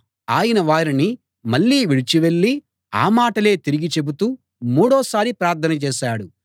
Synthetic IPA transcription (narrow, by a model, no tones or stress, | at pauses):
aːjɐnɐʋaːɾini | mɐɭːiːʋiɽit͡ʃiʋe̞ɭːi | a̰ːmaːʈɐle̞ːt̪iɾiɡit͡ʃe̞but̪uː | muːɽɔːsaːɾipɾaːɾt̪ʰːɐnɐt͡ʃɛːʃaːɽu